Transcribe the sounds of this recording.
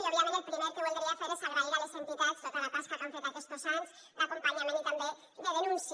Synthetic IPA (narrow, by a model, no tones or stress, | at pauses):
ʎoɾiamenelpɾimeɾkeβold̪ɾiafeɾesaɣɾaialesent̪it̪ast̪ot̪alapaskakaɱfet̪akest̪osans | bakompaɲamenit̪ambe | ðeðenũns